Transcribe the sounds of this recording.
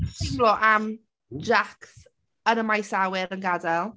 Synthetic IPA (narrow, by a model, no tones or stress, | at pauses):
blɔʔam | d͡ʒakθ | ənəmajsawɪɾənɡadɛlˠ